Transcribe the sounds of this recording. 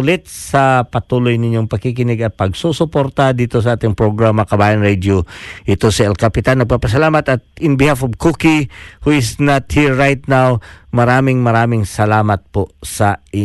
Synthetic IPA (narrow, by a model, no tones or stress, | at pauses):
ʊlɪt̪̚sɐpɐt̪uːlo̞jnɪɲːoŋpɐɡ̚kɪkɪnɪɡɐt̪̚pɐɡ̚susʊpo̞ɾt̪ɐd̪iːt̪o̞s̬ɐʔaːt̪ɪŋpɹoɡɹamɐkɐbaːjɐnɹɛd̪joʔɪt̪o̞sɐʔɛlkɐpɪt̪anːɐɡ̚papɐsɐlaːmɐt̪ɐt̪̚ɪnbɪhafovkukihuɪsnɐt̪hiɹːajt̪̚nawmɐɾaːmɪŋmɐɾaːmɪŋsɐlaːmɐt̪̚posɐʔɪ